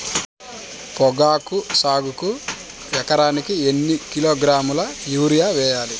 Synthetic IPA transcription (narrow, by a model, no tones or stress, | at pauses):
pɔɡaːkusaːɡuku | jɛkɐɾaːnikienːikiloːɡɾaːmulɐjuːɾijaːʋɛːjaːli